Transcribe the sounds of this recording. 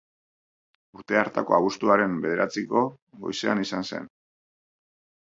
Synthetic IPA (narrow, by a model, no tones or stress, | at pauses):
uɾt̪e̞aɾt̪ako̞̰aβust̪uaɾe̞mbe̞ð̞e̞ɾat͡siko̞ | ɡo̞̰jse̞anisanse̞̰n